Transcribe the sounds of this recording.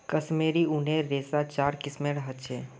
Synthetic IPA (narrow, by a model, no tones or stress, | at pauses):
kəsmeːɾiʊneɾeːsat͡ʃaːɾkɪsmẽɽəɦət̪t͡ʃʰeː